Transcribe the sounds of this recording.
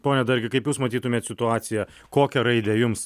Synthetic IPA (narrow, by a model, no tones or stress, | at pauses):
poːnʲɛd̪ɐɾʲɡʲɪkɐɪpjuːsmɐt̪ʲiːt̪ʊmʲeːt̪sʲɪt̪ʊɑːt̪sʲɪjɛ | koːkʲɛɾɐɪd̪ʲɛjʊms